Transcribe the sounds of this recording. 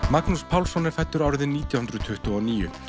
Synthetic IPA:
maknuspʰawlsɔnɪɾ̥fɛjt̪ːʏɾawɾɪðɪniːt̪jahʏnd̪ɾʏt̪ʰʏht̪ʏɔniːjʏ̰

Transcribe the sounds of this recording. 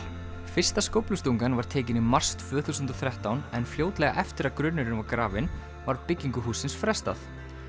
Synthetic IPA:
fɪr̥st̪askowplʏst̪uŋkanvaɾ̥t̪ʰɛːcɪnʏmːar̥st̪ʰvœːθusʏnt̪ɔθɾjɛht̪awnɛnfljoːwt̪lɛɣa̰ʔɛft̪ɪɾaðkɾʏnːʏɾɪnvaɾkɾaːvɪn | vaɾpɪcːiŋkʏɦuːsɪnsfɾɛst̪a̰θ

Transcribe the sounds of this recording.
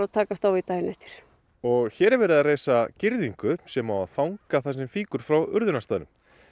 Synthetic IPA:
at̪ʰaːkast̪awit̪aːjɪnɛft̪ɪ̥ɾ̥ | ɔɣçɛːɾɛɾvɛːɾɪðareːjsacɪɾðiŋkʏsɛmawaðfawŋkaθasɛmfiːkʏɾ̥fɾawʏ̰ɾðʏnast̪aːðnʏm

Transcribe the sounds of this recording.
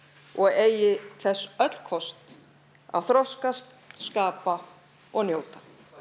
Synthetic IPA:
ɔɣeːjɪθɛsːœt̪l̥kʰɔst̪ | a̰wθɾɔskast̪ | skaːpa | ɔɣnjoːwt̪ḁ

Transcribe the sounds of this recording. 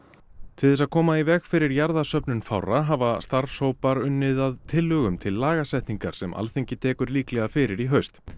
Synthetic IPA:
t̪ʰɪlðɛs̬aðkʰɔːmaivɛxfɪɾɪɾjaɾðasœpnʏnfawraɦaːvast̪aɾfshoːwpaɾʏnːɪðaðt̪ʰɪlːʏɣʏmt̪ʰɪlːaːɣasɛht̪niŋkaɾ̥sɛmʔa̰lθeɲcɪt̪ʰɛːkʏɾliːklɛɣafɪɾɪɾiɦœɥst̪

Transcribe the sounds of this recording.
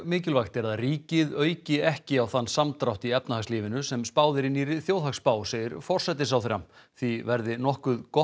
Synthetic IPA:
mɪːcɪlvajxt̪ɛɾaðaðriːcɪðœːɥcɪɛhcɪawθanːsamt̪ɾawht̪iɛpnahaksliːvɪnʏsɛmspaːwðɪɾɪniɾɪθjoːwðakspaːwseːjɪɾfɔr̥sɛt̪̬ɪs̬awθeɾamθivɛɾðɪnɔhkʏðkɔ

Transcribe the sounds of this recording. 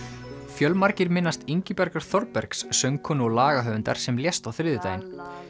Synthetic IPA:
fjœlmaɾcɪɾmɪnːast̪iɲcɪpɛɾkaɾ̥θɔɾpɛɾksːœɥŋkʰɔnɔɣlaːɣaɦœːvʏnt̪a̰ɾ̥sɛmljɛst̪awθɾɪːðʏt̪aːjɪn

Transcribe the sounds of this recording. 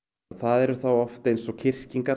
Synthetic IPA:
θaðɛɾʏθawɔft̪ejnsɔcʰɪr̥ciŋka

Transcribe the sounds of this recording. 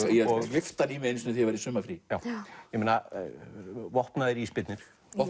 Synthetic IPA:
ɛɔɣvɪft̪aniːmɪensnɪθivajɾɪsʏmafɾijaːwjɛmeːna | vɔhpnaðɪɾispɪt̪nɪɾ̥ | ɔ

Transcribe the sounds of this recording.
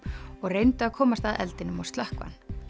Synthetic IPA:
ɔɣrejnt̪ʏaðkʰɔːmast̪aðɛ̰lt̪ɪnʏmawst̪lœhkva̰nː

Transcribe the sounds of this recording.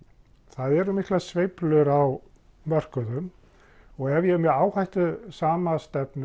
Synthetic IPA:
θaðɛɾʏmihklasvejplʏɾaw | mœr̥kʏðʏm | ɔɣɛvjɛmɛaːwhajht̪ʏsaːmast̪ɛpn

